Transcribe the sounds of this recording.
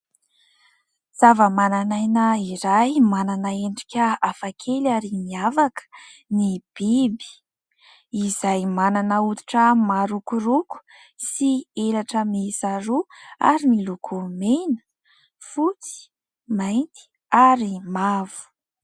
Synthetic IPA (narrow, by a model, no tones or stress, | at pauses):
z̥avəmananajnəiɾajmananəeɳɖ͡ʐi̥kʲəafakʰelaɾimiavakə̥ | nib̥ibi̥ | izajmananəut̪u̥ʈ͡ʂəmaɾukuruku̥ | sieɾaʈ͡ʂəmisaɾua̰ɾimilukʰumenə̥ | fut͡si̥ | majnt̪i̥ | aɾimavu̥